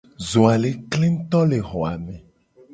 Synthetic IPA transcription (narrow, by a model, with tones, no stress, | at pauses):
zo˨a˨le˨kle˦m˦t̪ɔ˦le˨ɦɔ˨a˨mẽ˨